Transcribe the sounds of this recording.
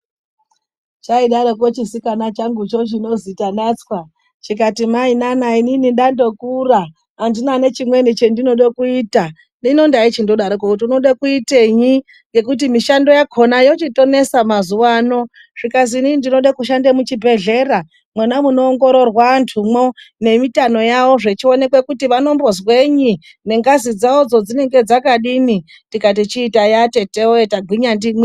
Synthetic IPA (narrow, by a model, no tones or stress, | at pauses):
t͡ʃaiɗaɾokwot͡ʃisikanat͡ʃaŋɡut͡ʃo̞t͡ʃ̬ino̞zitanat͡skwa | t͡ʃik̬atimainanaininindando̞kuraː | ndinane̞t͡ʃimwe̞nit͡ʃendino̞ɗokuiːta | nino̞ndait͡ʃindo̞ɗaɾok̬okutiuno̞ɗakuiteɲi | ŋɡe̞k̬utimiʃando̞jakʰonajo̞t͡ʃito̞ne̞samazuwaːno̞ | ʐ̥ikas̬inindino̞ɗakuʃ̬andemut͡ʃibʱe̞ɮe̞ɾa | mwanamuno̞ːŋɡo̞ɾo̞rwantʰumo̞ne̞mitano̞jawo̞ʐe̞t͡ʃio̞ne̞kwe̞kutiʋano̞mbo̞zwe̞ɲi | ne̞ŋɡazid͡zaod͡zo̞d͡zine̞ŋɡe̞d͡zakaɗini | ndikat̬it͡ʃiːtajate̞teoetaɡʱwiɲandimwi